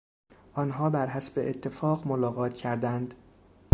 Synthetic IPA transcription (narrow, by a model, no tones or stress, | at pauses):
ʔɒnɦɒːbæɾɦæsbeʔet̪ʰːe̞fɒːɢmolɒːɣɒːt̪ʰcʰæɾd̪ænd̪